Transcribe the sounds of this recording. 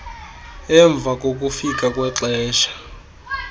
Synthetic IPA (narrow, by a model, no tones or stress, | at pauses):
ɛɱb̪vʱak̬ʼok̬ʼufik̬ʼakʼwɛǁɛːʃḁ